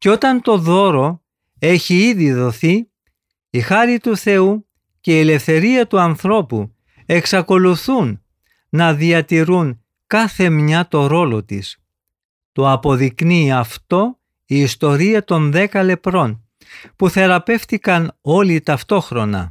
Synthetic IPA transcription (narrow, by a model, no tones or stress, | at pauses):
ceo̞t̪ɐnt̪o̞ðo̞ɾo̞ | e̞çiiðiðo̞θi | ixɐɾit̪uθe̞u | ce̞iele̞fθe̞ɾiɐt̪uɐnθɾo̞pu | e̞ksɐko̞luθunː | ɐðiɐt̪iɾun | kɐθe̞mɲɐt̪o̞ɾo̞lo̞t̪ḭs | t̪o̞ɐpo̞ðikniɐft̪o̞ | iːst̪o̞ɾiɐt̪o̞nðe̞kɐle̞pɾo̞n | puθe̞ɾɐpe̞ft̪ikɐno̞lit̪ɐft̪o̞xɾo̞nɐ̰